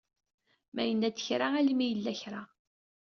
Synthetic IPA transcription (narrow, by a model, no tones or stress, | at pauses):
mæjənːæt͡sːə̥çɾaælimijəlːæçɾa